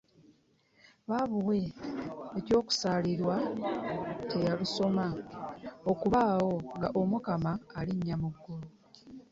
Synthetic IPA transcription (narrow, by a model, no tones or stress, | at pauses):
βaːβuwe̞ː | co̞ːku̥saːliɾwa | tʰe̞jaluso̞ma | o̞kuβaːwo̞ŋɡaʔo̞mukamaːliɲːamuɡːulu